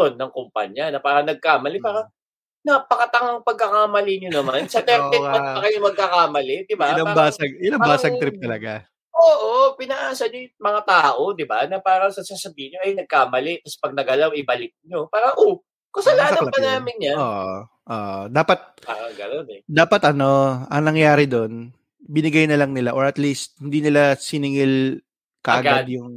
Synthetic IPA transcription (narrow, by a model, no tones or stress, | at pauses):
onːɐŋkompa̰ɲjɐnɐpaːɾɐnɐɡ̚kaːmɐlɪpaːɾɐ | nɐpɐkɐt̪ɐŋɐŋpɐɡ̚kːɐkaːmɐlɪɲonɐmansɐt̪ɛɪmɐɐkɐjomɐɡ̚kakaːmɐlɛd̪ɪbalabasɐɡɪlaŋbaːsɐɡ̪̚ɾɪp̚t̪ɐlɐɡa | ʔoːʔopɪnɐʔaːsɐɲojmɐŋat̪aːʔo̞d̪ɪbanɐpaːɾɐŋsɐsasɐbiːhɪɲːoʔɐjnɐɡ̚kaːmɐlɛk̪ɐsɛ̥pɐɡ̚nɐɡɐlawɪbɐlɪk̪̚ɲo̞paːɾɐʔo | kosɐlaːɐɐpɐnaːmɪnɲanoːʔ | ʔoːʔd̪aːpɐt̪̚ | aɡɐnonɛd̪aːpɐt̪ʔɐno̞ʔɐŋnɐŋjaːɾɪd̪o̞n | bɪnɪɡɐjnɐlɐŋnɪlaʔoɹɐt̪list̪̚hɪnd̪iːnɪlasɪnɪŋɪl | kɐʔɐʔɐɡad̪̚jʊŋ